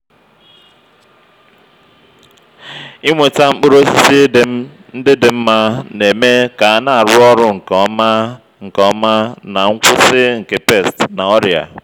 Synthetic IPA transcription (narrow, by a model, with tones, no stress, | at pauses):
i˦ŋʷe˨ta˦ŋ͡m̩˦k͡pʊ˦ɾo˦si˦si˦ | n̩˦dɪ˦dɪ˨m̩˦ma˦ne˨me˦ka˨a˨na˨a˨ɾʊ˦ɔ˦ɾʊ˦ŋ̩˨kɔ˨ma˦ | ŋ̩˨kɔ˦ma˦na˨ŋ̩˦kʷʊ˦sɪ˦ŋ̩˨ke˨pe˦˨stna˨ɔ˦ɾja̰˨